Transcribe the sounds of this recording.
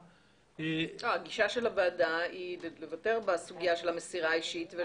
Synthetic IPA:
oaɡiʃaʃe̞labaːdailelevate̞ʁbasuɡijaʃe̞lhamesiʁaːiʃitve

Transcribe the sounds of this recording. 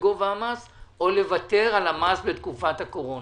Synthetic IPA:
ɡovaamaso̞le̞vate̞ʁalamasbet̪kufathako̞ʁo̞n

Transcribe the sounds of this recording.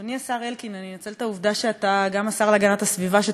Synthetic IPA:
niasaʁe̞lkinaninat͡selt̪auvd̪aʃeat̪aɡamasaʁlaɡanatasvivaʃe

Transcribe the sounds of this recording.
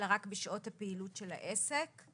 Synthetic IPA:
lʁakbiʃʔo̞thapeilutʃela̰ʔesek

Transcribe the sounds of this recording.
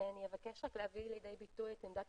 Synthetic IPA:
enijevakeʃaklehaviljd̪ejbit̪ujt̪imd̪at

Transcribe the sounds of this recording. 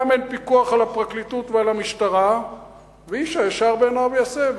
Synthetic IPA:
menpikuaχalapʁaklit̪ut̪vealamiʃt̪aʁa | veiʃajaʃaʁbeːnavejasev

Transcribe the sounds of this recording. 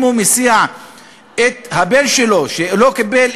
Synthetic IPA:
mumisia | et̪habelʃelo̞ʃelo̞kibel

